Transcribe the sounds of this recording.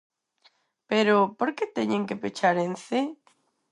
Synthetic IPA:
peɾopoɾket̪eɲẽŋkepet͡ʃaɾense

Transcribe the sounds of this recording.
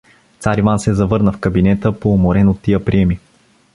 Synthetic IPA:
t̪saɾivansɛzɐvɤɾnəfkɐbinɛt̪əpomoɾɛnot̪ːijəpɾiɛmi

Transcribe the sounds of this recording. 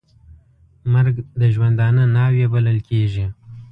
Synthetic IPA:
maɾɡd̪əʒwand̪ɑnənɑwebaləlkʰeʒi

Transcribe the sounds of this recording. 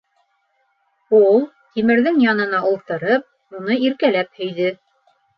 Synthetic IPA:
ulˠ | t̪imɘ̆ɾðɘŋjɑnɤ̆nɑulˠt̪ɤ̆ɾɤp̚ | unɤiɾkælæp̚hɵ̆jðɘ

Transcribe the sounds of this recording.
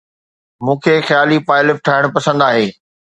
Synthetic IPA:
mũːkʰeːxjaːlipaːɪlɪp̚ʈʰaːɪɽ̃ʊpɐsə̃nd̪aːɦeː

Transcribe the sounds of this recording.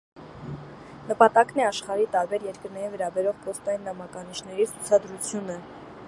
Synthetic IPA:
nəpɑt̪ɑknɛɑʃχɑɾit̪ɑɾbɛɾjɛɾkəɾnɛɾivɛɾɑbɛɾɔʁpʰɔst̪ɑjinːɑmɑkɑniʃnɛɾit͡sʰu̥t͡sʰɑd̪ɾut͡sʰjunə

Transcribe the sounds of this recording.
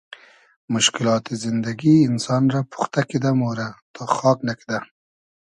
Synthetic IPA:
mʊʃkɪlɑt̪izɪnd̪aɡiːnsɑnɾapʰu̥xt̪akid̪amoɾat̪ʰɑχɑknaki̥d̪a

